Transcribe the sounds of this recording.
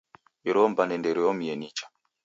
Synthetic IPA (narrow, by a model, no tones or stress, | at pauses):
iɾɔmbanɛndɛɾiɔmiɛnit͡ʃḁ